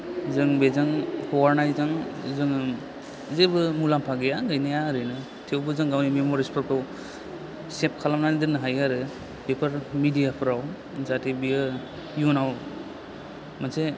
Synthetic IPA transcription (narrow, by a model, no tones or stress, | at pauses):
zɯŋbezaŋhʰɔwaɾnajzaŋzɯŋ | zebɯmulampʰaɡejaɡajnajaɾɯnɯ | tʰewbɯzɯŋɡawnimemoɾispʰɯɾpʰɯw | sep̚kʰalamnanidɯɾnɯɦajaɾɯ | b̥epʰaɾmidijapʰɯɾaw | zatibiɯ | junaw | mase